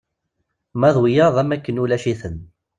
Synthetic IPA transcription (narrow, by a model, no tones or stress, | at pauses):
mæðˤwijɑɾðˤæmækːənulæʃiθən